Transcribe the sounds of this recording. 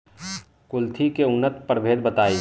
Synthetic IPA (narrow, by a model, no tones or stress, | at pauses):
kʊlt̪ʰikeʊnət̪pəɾbʱeːd̪̚bət̪aːi